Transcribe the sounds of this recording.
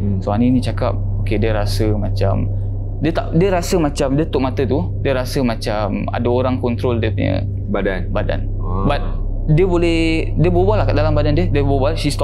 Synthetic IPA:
soaninĩt͡ʃaka̰p̚okediəɾasəmat͡ʃa̰m | diət̪a̰ʔdiəɾasəmat͡ʃamdiət̪ʊʔmat̪ət̪u | diəɾasəmat͡ʃam | a̰daoɾaŋkɔnt̪ɾoldiəpuɲə̰ | badanbada̰n | bat̪̚ | diəbolɛhdiəbobalahkədalambadandiədiəbobalʃist̪ɔ

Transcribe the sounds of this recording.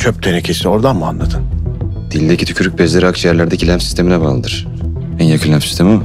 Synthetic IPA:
t͡ʃʰøp̚t̪ʰenɛcʰesio̞ɾd̪anmua̰nlˠad̪ɯnd̪̥ilʲd̪ecʰit̪ʰycʰyɾyc̚ʲbɛzlʲeɾiakt͡ʃʰjæɾlʲæɾd̪ecʰilʲæmfsi̥st̪ʰe̞minɛbaːlˠɯd̪ɯɾ̥ | ænjakʰɯlʲæmsi̥st̪ʰemim

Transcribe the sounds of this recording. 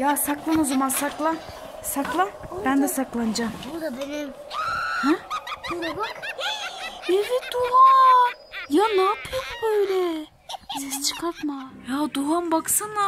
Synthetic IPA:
jaːsaklˠanuzamansaklˠa | saklˠanbænd̪ɛsaklˠand͡ʒambud̪ab̪ene | hɛeɾɛbak | evid̪uɦa | janaːpʰɯjombøjlʲɛ | sɛst͡ʃʰɯ̥kʰat̪majaːd̪uɦanbaksɯna

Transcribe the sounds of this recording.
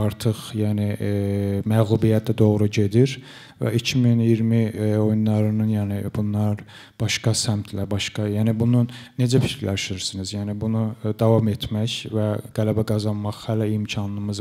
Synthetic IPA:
ɑɾt̪ʰɯχjæːni | mæɣlˠubijæt̪̚ʰd̪æd̪o̞ɣɾuɟe̞d̪iɾ | væ̰icʰiminijiɾmio̞junlːˠɑɾɯnɯnjæːnibunlˠɑɾ | b̥ɑʃkɑsæmt̪ʰlæbɑʃɡɑjæːnibununːe̞d͡ʒæfi̥cʰɾlæʃiɾsinizjæːnibunud̪ɑvɑmet̪ʰmæçvæɡ̥ælæbæɡɑzɑnmɑχhælæimcʰɑnɯmɯz

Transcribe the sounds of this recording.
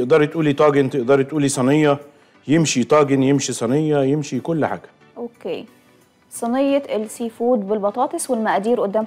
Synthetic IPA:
ɪʔd̪ɑɾˤt̪ʔuːliːt̪ˤɑːɡɪnt̪ɪʔd̪ɑɾˤt̪ʔuːlːiːsˤɑnɪjːɑ | jɪmʃit̪ˤɑːɡɪnjɪmʃisˤɑnɪjːajɪmʃikʊlːħa̰ːɡæ̥ | ʔokḛː | sˤɑnɪjːɑɪlsifuːd̪bɪlbɑt̪ˤɑːt̪ˤɨswɪlmaʔaːd̪iːɾʔʊd̪ːæːm

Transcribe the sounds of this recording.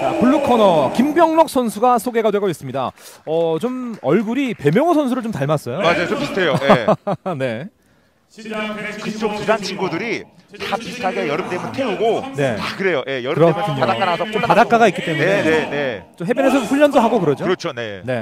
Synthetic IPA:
akuɭːukʰʌnʌkimbjʌŋmʌk̚s͈ʰʌnsʰuɡasʰoɡe̞ɡadwe̞ɡʌis͈ɯmɲida̰ʌt͡ɕomʌɭɡuɾipe̞mjʌŋʌsʰʌnsʰuɾɯɭt͡ɕomtaɭmas͈ʌjomad͡ʑajooistʰejojne̞ | kɯt͡ɕ͈ok̚tudant͡ɕʰinɡudɯɾi | tapitʰaɡejʌɾɯmt̪emɯnt̪ʰe̞uɡone̞akɯɾe̞joje̞jʌɾɯɯɾʌkkʰɯɲoaak͈anasʰʌt͡ɕompadak͈aɡaik͈it͈e̞muenene̞t͡ɕomɦe̞benes̬ʰʌomɸuʎːʌndoɦaɡokɯɾʌd͡ʑoɯɾʌt͡ɕʰone̞ne̞

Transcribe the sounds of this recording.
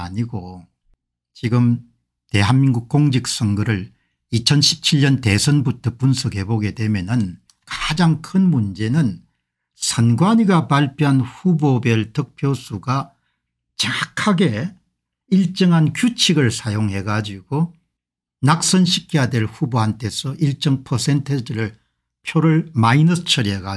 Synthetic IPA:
aɲiɡo | t͡ɕiɡɯm | te̞ɦanmiŋɡuk̚k͈oŋd͡ʑik̚s͈ʌŋɡɯɾɯɭ | it͡ɕʰʌnɕʰi̥p̚t͡ɕʰiɭːʌnte̞sʰʌnbutʰʌpunsʰʌɡɦe̞boɡe̞dwe̞mjenɯn | kad͡ʑaŋkʰɯnmund͡ʑenɯn | sʰʌnɡwaɲiɡapaɭpʰjoɦanhubobjʌɭtʌk̚pʰjosʰuɡa | t͡ɕakʰaɡe̞ | iɭt͡ɕ͈ʌŋɦankjut͡ɕʰiɡɯɭsʰajoŋɦe̞ɡad͡ʑiɡ̥o | nak̚s͈ʌnɕʰikʰijadwe̞ɭɸuboɦantʰe̞sʰʌʔiɭt͡ɕ͈ʌŋpʰʌsʰentʰed͡ʑiɾɯɭ | pʰjoɾɯɭmainʌsʰt͡ɕʰʌɾiɦeɡa

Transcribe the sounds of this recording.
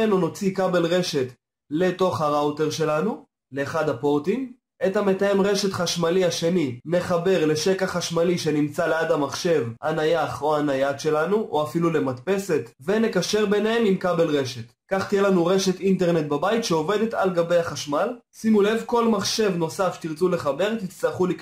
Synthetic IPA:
enono̞t͡sikabe̞lʁe̞ʃe̞t | le̞to̞χhaʁaote̞ʁʃe̞lanu | le̞ːχad̪apo̞ʁt̪im | ethame̞taje̞mʁe̞ʃe̞t̪χaʃmaliaʃe̞nine̞χabe̞ʁle̞ʃe̞kaχaʃmaliʃe̞nimt͡sale̞ad̪amaχʃe̞vhanajaχoanajat̪ʃe̞lanuʔoafilule̞matpe̞se̞t̪ | ve̞ne̞kaʃe̞ʁbe̞nhemimkabe̞lʁe̞ʃe̞t̪ | kaχt̪ijelanuʁe̞ʃe̞t̪inte̞ʁne̞t̚babaitʃeo̞ve̞d̪e̞t̪alɡabe̞jaχaʃmal | simule̞vko̞lmaχʃe̞vno̞saft̪iʁt͡sule̞χabe̞ʁt̪it͡staχulik

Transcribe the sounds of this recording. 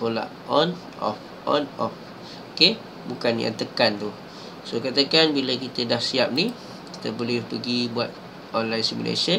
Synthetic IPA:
kola̰ʔʔɔn | ɔ̰f | ʔɔ̰nɔ̰f | oke | bukanja̰ŋt̪əkant̪u | sokat̪akanbilakit̪ədahsiap̚ni | ki̥t̪əbolɪhpəɡibuat̪̚ | ɔnlajnsimṵlḛsə

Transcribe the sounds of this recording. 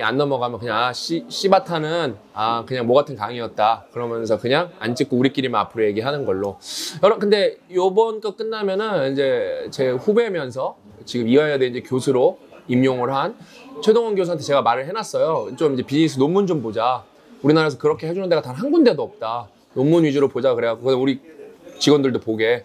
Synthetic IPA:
ia̰nːʌmʌɡamjʌkɯɲaŋaɕ͈iɕ͈ibatʰanɯn | akɯɲaŋmoɡatʰɯnkaŋiʌt̚t͈akɯɾʌmjʌnsʰʌkɯɲaŋa̰nt͡ɕ͈ɯk͈ouɾik͈iɾimna̰pʰɯɾoje̞ɡiɦanɯnɡʌɭːojʌɾʌkɯnde̞jobʌnk͈ʌk͈ɯnːamjʌnɯnind͡ʑe̞t͡ɕe̞ɸube̞mjʌns̬ʰʌ | t͡ɕiɡɯmiaejadeind͡ʑekjosʰuɾoimjoŋɯɭɦant͡ɕʰedoŋʌnɡjos̬ʰuɦantʰe̞t͡ɕe̞ɡamaɾɯɭɦenas͈ʌjot͡ɕomind͡ʑe̞piɲis͈ʰɯnomːund͡ʑombod͡ʑa | uɾinaɾaesʰʌkɯɾʌkʰe̞ɦed͡ʑunɯndeɡatanɦanɡunde̞doʌp̚t͈a | nomːunɥid͡ʑuɾopod͡ʑakɯɾe̞ɦaɡokɯdauɾit͡ɕiɡʌndɯɭdopoɡe̞

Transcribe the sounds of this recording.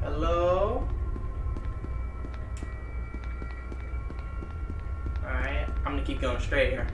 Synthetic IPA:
hɛlo | aaãɪ̃mʌ̃nɨkʰip̚ɡoʊɪ̃ŋstɹeɪt̚hiɹ

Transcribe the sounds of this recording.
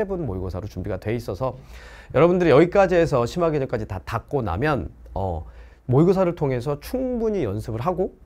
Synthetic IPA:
ebɯnmoiɡosʰaɾot͡ɕumbiɡadwe̞is͈ʌsʰʌjʌɾʌbundɯɾiʌɡik͈ad͡ʑie̞sʰʌɕʰimaɡeɲʌmk͈ad͡ʑitatak̚k͈ona̰mjʌnʌ̰ | moiɡos̬ʰaɾɯɭtʰoŋɦe̞s̬ʰʌt͡ɕʰuŋbuɲijʌnsʰɯbɯɭɦaɡo

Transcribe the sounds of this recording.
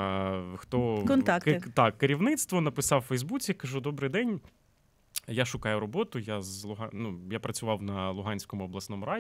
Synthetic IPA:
xt̪ɔkɔnt̪akt̪ɑkːeɾʲiwnɪt̪st̪ʋɔnɐpɪsɑwfɛjzbut͡sʲikɐʒud̪ɔbɾɪjd̪ɛnʲ | jaʃʊkɑjʊɾɔbɔt̪ʊjazlˠʊɦɑnujapɾɐt͡sʲʊʋɑwnɐlˠʊɦɑnʲsʲkɔmʊɔblˠɐsnɔmʊɾɑ

